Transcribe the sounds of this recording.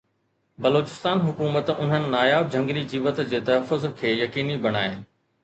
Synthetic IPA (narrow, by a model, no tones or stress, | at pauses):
bɐloːt͡ɕɪ̥st̪aːnɦʊkuːmət̪ʊn̤ənɪ̆naːjaːb̚d͡ʑʱɐ̃ŋɡlid͡ʑiːʋət̪d͡ʑeːt̪ɐɦəfʊzkʰeːjɐkiːnibɐɽ̃aːenɪ̆